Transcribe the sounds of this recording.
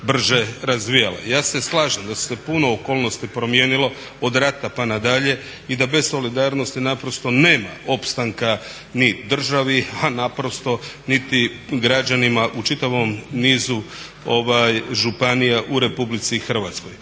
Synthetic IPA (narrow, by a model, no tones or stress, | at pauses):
br̩ʒeɾazʋijala̰jaːse̞slˠaːʒemd̪asu̥se̞punoːko̞ːlˠno̞st̪ipɾomje̞ːnilo̞ | od̪ɾat̪apanad̪aʎe̞ | id̪abe̞so̞lid̪aːɾno̞st̪inapɾo̞st̪o̞ne̞ːma̰opst̪aŋka | nid̪r̩ʒaʋianapɾo̞st̪o̞nit̪i | ɡɾad͡ʒanimaʔut͡ʃit̪aʋo̞mniːzu | o̞ʋajʒupanijaʔuɾe̞publit̪siːxr̩ʋat̪sko̞j